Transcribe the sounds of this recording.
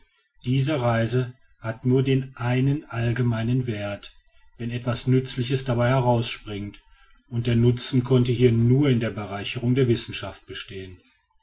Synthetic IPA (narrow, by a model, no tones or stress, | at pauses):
d̥iːzəʁaɪzə | hatnuːɐdeːnʔaɪnənʔalɡəmaɪnənveːɐt | vɛnɛtv̥asnʏt͡slɪçəsd̥abaɪhɛʁaʊsʃpʁ̥ɪŋt | ʔʊnt̚d̥eːɐnʊt͡sn̩kʰɔntəhiːɐnuːɐɪndeːɐbəʁaɪçəʁʊŋdeːɐvɪsn̩ʃaft̚b̥əʃteːən